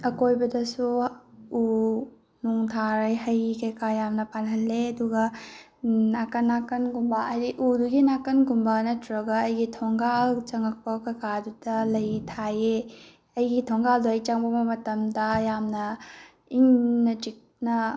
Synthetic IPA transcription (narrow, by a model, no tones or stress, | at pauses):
ɐkojbɐdɐsuu | nuŋtʰaɾɐjɦɐjikɐjkajamnɐpanɦɐlːeɐduɡɐ | nakɐnːakɐnɡumbaɐjɾiʔuduɡinakɐnɡumbanɐtɾɐɡɐːjɡitʰɔŋɡalt͡ʃɐŋɐk̚pɐkɐjkadudɐlɐjtʰaje | ɐjɡitʰɔŋɡalduɐjt͡ʃaŋbɐmɐmɐtɐmdɐjamnɐ | iŋnɐtik̚nɐ